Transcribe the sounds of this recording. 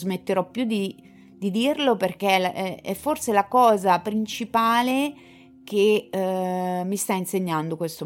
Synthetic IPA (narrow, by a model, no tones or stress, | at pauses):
zmet̪ːeɾɔpːjud̪i | d̪id̪irloperkeɛɛfːorselakɔːzapɾint͡ʃipaːle | ke | mːist̪ainseɲːand̪okwest̪o